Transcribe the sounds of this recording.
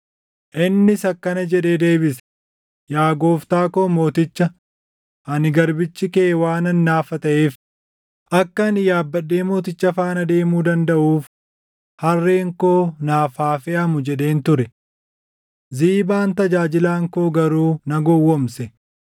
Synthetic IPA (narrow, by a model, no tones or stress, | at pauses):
ʔɪnːɪsɐkːɐnɐd͡ʒɛᶑe̞ːd̪e̞ːbɪs | jaːɡoːft̪aːko̞ːmo̞ːt̪ɪt͡ʃːɐ | ʔɐnɪɡɐɾbɪt͡ʃːɪkeːwaːnɐnːaːfɐt̪ɐʔeːf | ʔɐkːɐnɪjaːbːɐɗːeːmo̞ːt̪ɪt͡ʃːɐfaːnɐd̪e̞ːmuːd̪ɐnd̪ɐʔuːf | hɐrːe̞ːŋko̞ːnaːfaːfɛʔɐmʊd͡ʒɛᶑe̞ːnt̪ʊɾɛ | ziːbaːnt̪ɐd͡ʒaːd͡ʒɪlaːŋko̞ːɡɐɾuːnɐɡɔwːɔmsɛ